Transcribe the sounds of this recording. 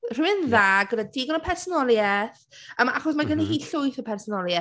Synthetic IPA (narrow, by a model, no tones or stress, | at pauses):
r̥ɪmɪnðaːɡədadiɡɔnəpʰɛrsɔnɔlˠjɛθəma̰χɔs̬maɡənːiɦiːɬʊɨθəpʰɛrsɔnɔlˠjɛ